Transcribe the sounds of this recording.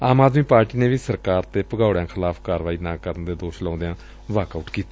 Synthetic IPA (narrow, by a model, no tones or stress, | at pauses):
aːmaːd̪miːpaːɾʈiːneːʋiːsəɾkaːɾt̪eːpəɡaːʊɽjãːkʰɪlaːpʰkaːɾʋaːiːnãːkəɾənd̪eːd̪oːʃlãːnd̪ejãː | ʋaːkaʊʈkiːt̪a